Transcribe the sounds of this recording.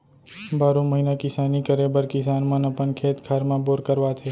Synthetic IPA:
baɾũməɦinakɪsanikəɾebəɾkɪsanmãnəpəɳkʰet̪kʰaɾmãboɾkəɾʋat̪ʰe

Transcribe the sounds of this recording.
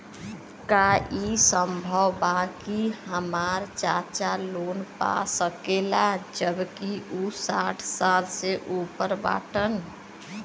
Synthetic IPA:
kaisəmbʱəwbakihəmaɾt͡ʃat͡ʃalonpa̰səkelad͡ʒəbkiʔusaʈʰsalseʔupəɾba̰ʈən

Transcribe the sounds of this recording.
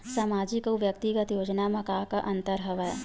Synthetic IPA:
saːmaːd͡ʒikoʋjɐk̚t̪iɡət̪joːd͡ʒnamɐkaːɦkaʔɐ̃nt̪əɾɦɐʋə

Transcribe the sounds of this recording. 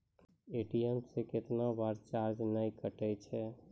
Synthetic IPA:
eʈijɛmseket̪nabaɾt͡ʃaɾd͡ʒnəikəʈɛt͡ʃʰɛ

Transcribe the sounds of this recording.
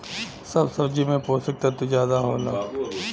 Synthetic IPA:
sɐbsɐbd͡ʒimẽpoːsək̚t̪at̪uzjaːd̪aɦoːla̰ː

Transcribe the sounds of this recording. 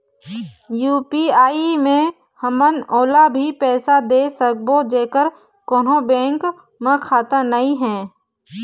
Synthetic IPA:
juːpiaːimẽ | həmənoːlabʱipɛːsad̪eːsək̚bod͡ʒeːkəɾ | koːnõbɛ̃ːŋk | mə̃kʰaːt̪ənəĩɦɛ̃ː

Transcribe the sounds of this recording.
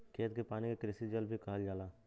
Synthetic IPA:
kʰeːt̪kepaːnikekɾɪsid͡ʒəlbʱikɐɦəld͡ʒaːlaː

